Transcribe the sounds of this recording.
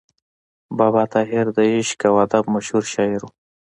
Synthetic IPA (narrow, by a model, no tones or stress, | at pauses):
bɑbɑt̪ɑɦɪɾd̪əɪʃkawad̪abmaʃhuɾʃɑɪɾu